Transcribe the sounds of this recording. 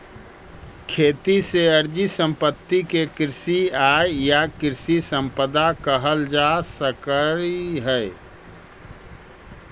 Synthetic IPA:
kʰeːt̪iseəɾd͡ʒisə̃mpət̪ːikekɪɾɪsiaːejakɪɾsisə̃mpəd̪akəɦəld͡ʒasəkəɾiɦɛe

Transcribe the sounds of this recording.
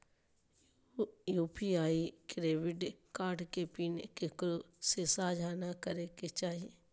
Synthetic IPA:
juːpiaːikɾeːʋɪɖkaːɖkepiːnekekɾo | sesaːd͡ʒʱanakəɾeket͡ʃaːɦieː

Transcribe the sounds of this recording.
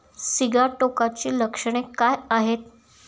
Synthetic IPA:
siɡaʈokat͡ɕiːləkʂəɽ̃ekajaɦet̪̚

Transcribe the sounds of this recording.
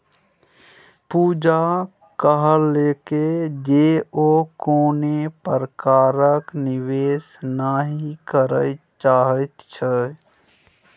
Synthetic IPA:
puːd͡ʒa | kəɦəleːked͡ʒeːokoːnepəɾkaːɾəknɪʋeːsnaɦikəɾə | t͡ʃaːɦət̪t͡ʃʰɛ

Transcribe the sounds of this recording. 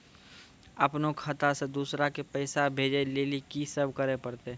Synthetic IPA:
ɐpnokʰɐt̪ased̪uːsɾakepəɪsabʱeːd͡ʒeleːlikisəbkəɾepəɾt̪e

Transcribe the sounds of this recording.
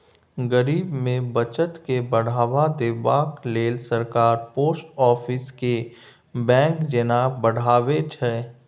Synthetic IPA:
ɡəɾiːbmẽbət͡ʃət̪kebəɽ̤aːʋad̪ebaːkleːlsəɾkaːɾpoːsʈɔːfʰɪske | bɛ̃ːkd͡ʒenabəɽ̤aːʋet͡ʃʰɛː

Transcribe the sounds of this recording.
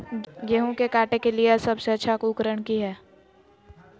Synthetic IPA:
jeɦõkekaːʈekeliesɐbseɐtːʃʰakuːkəɾəɳ̃kiɦɛː

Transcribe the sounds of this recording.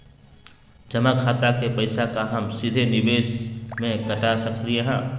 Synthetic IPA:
d͡ʒɐmakʰaːt̪akepɐɪsakaɦɐmsɪd̪ʱenɪbeːʃmẽkɐʈasɐkt̪ieɦɛ̃ː

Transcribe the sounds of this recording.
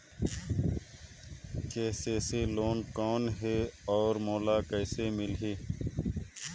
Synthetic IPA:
keːseːseloːnkoːnɦeːɔːɾmoːlaːkəjseːmɪlɦeː

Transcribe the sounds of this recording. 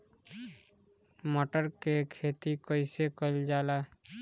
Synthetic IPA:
moʈəɾkekʰeːt̪ikɔɪsekɔld͡ʒaːla

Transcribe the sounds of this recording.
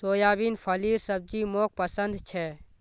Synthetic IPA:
t̪oːjaːbiːnpʰɐliːɾsəb̚d͡ʒiːmoːk̚pəsənd̪t͡ʃʰɛː

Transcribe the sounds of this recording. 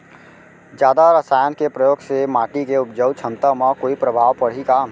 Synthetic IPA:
d͡ʒjaːd̪aɾəsaːjənkepɾəjoːɡsemaːʈikeʊpd͡ʒəwt͡ʃʰə̃nt̪əmãkoːipɾəbʱaːʋpəɽ̤ika

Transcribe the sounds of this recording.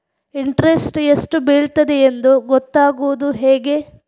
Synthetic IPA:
iɳʈɾesʈesʈubeːɭt̪ɐd̪eːnd̪uɡɔt̪ːaːɡuʋud̪uɦeːɡe̞

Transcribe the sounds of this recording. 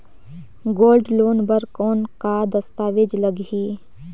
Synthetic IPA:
ɡoːlɖloːnbəɾkoːnkad̪ɐst̪aːʋɪd͡ʒləɡiː

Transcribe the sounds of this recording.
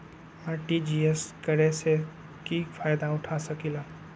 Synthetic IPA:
aːɾʈid͡ʒieskəɾese | kifʰaːjd̪aʊʈʰasəkilaː

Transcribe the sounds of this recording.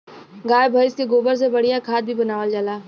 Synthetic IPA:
ɡaːjbʱəɪskeɡoːbəɾs̬ebɐɽijakʰaːt̪̚bʱibɐnaːʋəld͡ʒaːlaː

